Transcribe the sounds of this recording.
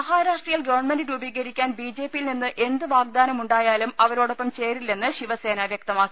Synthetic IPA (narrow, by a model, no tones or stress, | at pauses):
ɐɦaːɾaːʂʈrijɐlɡɐʋɐrɳmenɖiɾubiːɣɐɾikʲːaːnbiːd͡ʑe̞ːpːijilninːɨʔe̞nd̪ɨʋaːɡ̚d̪aːnɐmuɳɖaːjaːlumɐʋɐɾo̞ːɽo̞pːɐmt͡ɕe̞ːrilːe̞nːɨɕiʋɐse̞ːnɐʋjɐk̚t̪ɐmaːkː